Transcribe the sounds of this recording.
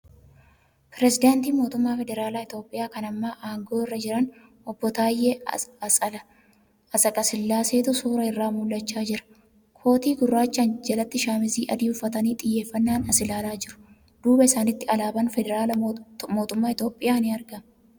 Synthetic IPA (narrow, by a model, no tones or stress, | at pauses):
pɾɛsɪd̪aːnt̪iːmo̞ːt̪ʊmːaːfɛd̪ɛɾaːlaːɪt̪jo̞ːpʼːɪjaːkɐnɐmːaːʔaːŋɡo̞ːɪrːɐd͡ʒɪɾɐn | ɔbːɔt̪aːjːeɐlɐ | ɐsɐkʼɐsɪlːaːseːt̪ʊsuːɾɐɪrːaːmulːɐt͡ʃːaːd͡ʒɪɾɐ̥ | kʰo̞ːt̪iːɡʊrːaːt͡ʃːɐnd͡ʒɐlɐt̪ːɪʃaːmɪziːʔɐd̪iːʊfːɐt̪ɐniːt̪ʼɪjːe̞ːfːɐnːaːnɐsɪlaːlaːd͡ʒɪɾʊ̥ | d̪̥uːbɐɪsaːnɪt̪ːɪɐlaːbɐnfɛd̪ɛɾaːlɐmo̞ːt̪ʊmːaːɪt̪jo̞ːpʼːɪjaːnɪɐɾɡɐm